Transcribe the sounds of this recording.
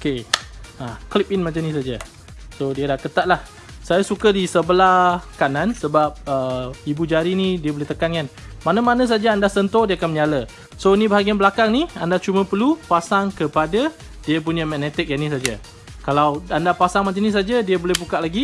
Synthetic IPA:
okeaklip̚inmat͡ʃanĩs̬ad͡ʒa | sodiadahkət̪at̪̚lah | sajasukadisəbəlakanãnsəbap̚əibud͡ʒaɾinidiəboleht̪əkanan | manamanə̃s̬ad͡ʒaandahsənt̪odiakanməɲalə | soinibaɦaɡianbəlakaŋniandat͡ʃumə̃pəlupasaŋkəpada | diəp̬uɲə̃mɛnɛt̪ɪk̚janĩs̬ad͡ʒa | kalawandapasaŋmat͡ʃanĩs̬ad͡ʒadiəbolehbukaʔlaɡi

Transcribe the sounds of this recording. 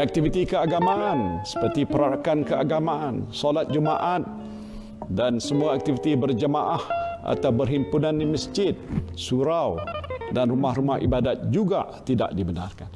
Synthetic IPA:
ʔak̚t̪ifit̪ikəaɡamaʔansə̥pərt̪ipəɾaɾakankəaɡamaansolat̪̚d͡ʒəma̰ʔat̪̚ | dansəmuaak̚t̪ivit̪ibərd͡ʒəmaʔahʔa̰t̪awbərɦimpunãndiməsd͡ʒɪt̪̚suɾawdanrumahɾumahḭbadat̪̚d͡ʒuɡa̰ʔt̪ida̰ʔdibəna̰rkan

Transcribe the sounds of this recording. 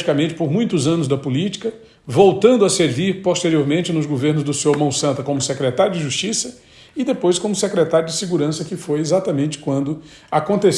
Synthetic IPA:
ikɐmẽnt͡ʃɪ̥poɾmũj̃t̪ʊzɐ̃nʊzd̪ɐpulit͡ʃi̥kɐ | vowt̪ɐ̃nd̪ʊɐseɾviɾpost̪eɾioɾmẽnt͡ʃɪnʊzɡoveɾnʊzd̪ʊseoɾmɐ̃w̃sɐ̃nt̪ɐkõmʊsekɾɛt̪aɾjʊd͡ʒɪʒust͡ʃisɐ | ɪd̪epojskõmʊsekɾet̪aɾjʊd͡ʒɪsɪɡuɾɐ̃sɐkɪfojezat̪ɐmẽnt͡ʃɪ̥kwɐ̃nd̪ʊ | akõnt̪es

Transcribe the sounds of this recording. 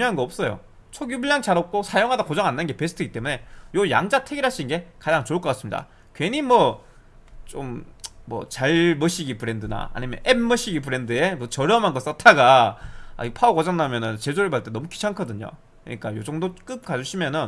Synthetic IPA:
uɲoɦanɡʌʌp̚s͈ʌjo̰ | t͡ɕʰoɡjubuʎjaŋt͡ɕaɾʌp̚k͈osʰajoŋɦadakod͡ʑʌŋanːɯnɡe̞pesʰtʰɯɡit͈e̞mune̞joja̰ŋd͡ʑatʰe̞ɡiɾɦaɕ͈ʰinnɡe̞kad͡ʑaŋt͡ɕoɯɭk͈ʌk͈asɯmɲida̰ | kwe̞ɲimwʌ | t͡ɕomːʌ̰t͡ɕaɭmʌɕʰiɡipɯɾe̞ndɯna̰a̰ɲimjʌnʔemmʌɕʰiɡipɯɾe̞ndɯemʌt͡ɕʌɾjʌmanɡʌs͈atʰaɡaa̰iɡpʰakʌd͡ʑʌŋnːamjʌnɯnt͡ɕed͡ʑoɾɯɭpaɭt͈e̞nʌmuki̥t͡ɕʰaŋkʰʌdɯɲo̰ | kɯɲik͈ajod͡ʑʌŋdok͈ɯp̚k͈ad͡ʑuɕʰimjʌnɯn

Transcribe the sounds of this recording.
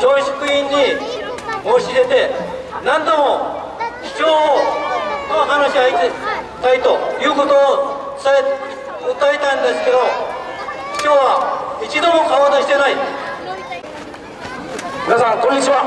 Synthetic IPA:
d͡ʑoːɕo̥kɯĩɲːi | moːɕid̪e̞t̪e̞nãnd̪o̞mo̞ | ɕi̥t͡ɕo̞ːo | aɦanaɕiait̪ | t̪ait̪o̞jɯ̟ːko̞t̪o̞ː | ae | ɯt̪ːaet̪aĩnd̪esɨ̥ke̞d̪o̞ | i̥kʲoːβait͡ɕid̪o̞mo̞kaβad̪aɕi̥t̪enai | mʲinasãŋkõɲːit͡ɕiβa

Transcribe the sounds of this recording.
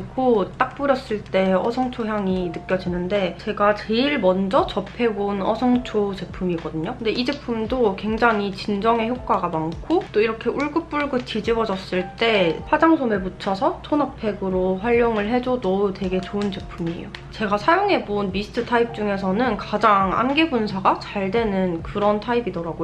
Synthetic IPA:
kʰot͈ak̚p͈uɾjʌs͈ɯɭt͈e̞ʌsʰʌŋt͡ɕʰoçjaŋinɯk͈jʌd͡ʑinɯnde̞t͡ɕe̞ɡat͡ɕe̞iɭmʌnd͡ʑʌt͡ɕʌpʰe̞bonʌsʰʌŋt͡ɕʰod͡ʑe̞pʰɯmiɡʌdɯɲokɯnde̞ʔid͡ʑe̞pʰɯmdokwe̞ŋd͡ʑaŋit͡ɕind͡ʑʌŋɦe̞çjok̚k͈aɡamaŋkʰot͈oiɾʌkʰe̞uɭɡɯp̚p͈uɭɡɯt͡ɕid͡ʑiwʌd͡ʑʌs͈ɯɭt͈e̞ɸʰad͡ʑaŋsʰomeput͡ɕʰʌsʰʌt͡ɕʰonapʰe̞ɡɯɾoɸwaʎːoŋɯɭɦe̞d͡ʑodote̞ɡe̞t͡ɕoɯnt͡ɕepʰumḭjot͡ɕe̞ɡasʰajoŋɦe̞bonmisʰɯ̥tʰɯtʰaip̚t͡ɕ͈uŋe̞s̬ʰʌnɯnkad͡ʑaŋa̰mɡebunsʰaɡat͡ɕaɭdwe̞nɯnkɯɾʌntʰaibidʌɾaɡo

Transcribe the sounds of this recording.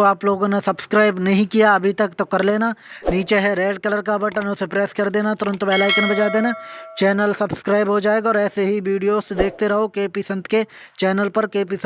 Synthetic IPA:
oaːploːɡõnesɐbskɾaːɪbnɐɦĩkijaɐbʱit̪ɐkt̪okɐɾleːnaniːt͡ʃeɦɛɾeːɖkɐləɾkabɐʈənʊsepɾɛːskɐɾd̪eːnat̪ɔːɾə̃nt̪ʋɛːlaːɪknẽbɐd͡ʒaːd̪eːnat͡ʃɛːnəlsɐbskɾaːɪbɦod͡ʒaːeːɡaɔːɾɛːseɦiʋiːɖijoːsed̪eːk̚ʰt̪eɾɐɦokeːpisə̃nt̪ke | t͡ʃɛːnəlpɐɾkeːpiːs

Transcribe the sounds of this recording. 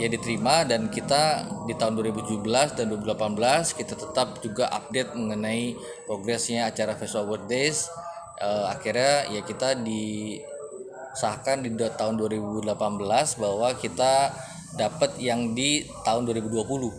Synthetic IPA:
jadit̪əɾimadankit̪adit̪aɦʊnduwaɾibut̪ud͡ʒubəlasdanduaɾibudəlapanbəlaskit̪at̪ət̪ap̚d͡ʒuɡaʔa̰p̚det̪̚məŋənai | pɾoɡɾɛsɲaːt͡ʃaɾafɛswalwədes | əakiɾɲajakit̪adi | sakandidt̪aɦʊnduaɾibudəlapanbəlasbahwakit̪a | dapət̪jaŋdit̪aɦʊnduaɾibuduapulʊh

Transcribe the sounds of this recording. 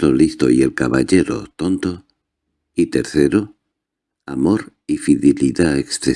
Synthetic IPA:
ɾolist̪oie̞lkaβaʎe̞ɾo̰t̪o̞nt̪o̞ | it̪e̞ɾθe̞ɾo | amo̞ɾifiðeliðaekst̪ɾe

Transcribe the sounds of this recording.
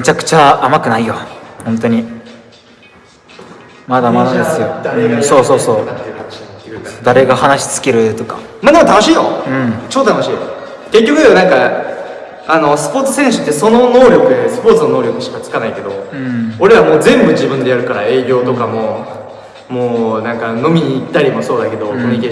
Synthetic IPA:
me̞t͡ɕakɯ̟̥t͡ɕaːmakɯ̟naijohõnt̪̬o̞ɲ̟i | mad̪amad̪ad̪esɨjõso̞ːso̞ːso̞ːan | d̪aɾe̞ɡahanaɕi̥t͡sɨ̥kʲe̞ɾɯ̟t̪o̞ka̰ | mad̪emot̪anoɕiːjo̰ɯ̟̃ɴt͡ɕot̪ːot̪anoɕiːjo̰ | k̪e̞k̬ʲːo̞kɯ̟d̪ajonãŋka | ano̞sɨ̥po̞ːt͡sɨ̥sẽɰ̃ɕɨ̥t̪ːe̞so̞no̞no̞ːɾʲo̞kɯ̟esɨ̥po̞ːt͡sɨno̞no̞ːɾʲjo̞kɯ̟ɕi̥kat͡sɨ̥kanaike̞d̪o̞oɾe̞βamo̞ːd͡zẽ̞mbɯ̟d͡ʑibɯ̟̃nd̪e̞jaɾɯ̟kaɾa̰e̞ːɡʲo̞ːt̪o̞kamo̞ | moːnãŋkano̞mʲiɲ̟iːt̪ːaɾʲimo̞so̞ːd̪ake̞d̪o̞koɲʲekʲe

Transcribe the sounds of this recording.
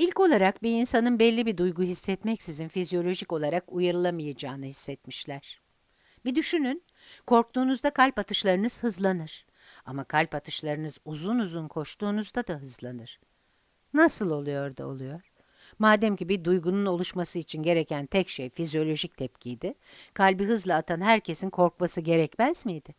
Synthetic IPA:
ilʲco̞lˠaɾakbiinsanɯnbɛlʲːibid̪ujɡuɦisːɛt̪mɛcsizinfizjo̞lʲo̞ʒico̞lˠaɾakujaɾɯlˠamɯjad͡ʒaːnɯhisːɛt̪miʃlʲæɾ̥ | bid̪yʃynyn | kʰo̞ɾk̚t̪ʰuːnuzd̪akʰalʲpat̪ʰɯʃlˠaɾɯnɯz̥hɯzlˠanɯɾ̥ | amakʰalʲpat̪ʰɯʃlˠaɾɯnɯzuzunuzunkʰo̞ʃt̪uːnuzd̪ad̪aɦɯzlˠanɯɾ̥ | nasɯlˠo̞lˠujo̞ɾd̪ṵo̞̰lˠujo̞ɾ̥ | maːd̪ɛmcibid̪ujɡununo̞lˠuʃmasɯit͡ʃʰinɟe̞ɾecʰænt̪ʰɛcʃejfizjo̞lʲo̞ʒic̚t̪ʰɛp̚cʰijd̪ɪkʰalʲbiɦɯzlˠaːt̪ʰanɦæɾcʰe̞sinkʰo̞ɾk̚masɯɟe̞ɾɛcmæzmijd̪ɪ

